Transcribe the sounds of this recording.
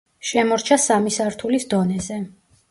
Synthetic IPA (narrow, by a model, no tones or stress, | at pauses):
ʃɛmɔɾt͡ʃʰasamisaɾt̪ʰulisd̪ɔnɛzɛ